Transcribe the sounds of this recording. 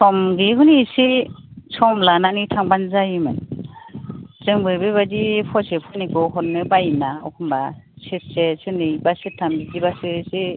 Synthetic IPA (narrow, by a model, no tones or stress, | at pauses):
sɔmɡiɦunisi | sʰɔmlananitʰaŋbanzajimɯn | zɯŋbɯbeβadipʰɔsepʰɔnikɔkɔnːɯbajnaɔkʰumbaset̚sesɯnɯjbasetʰːambizibasɯsi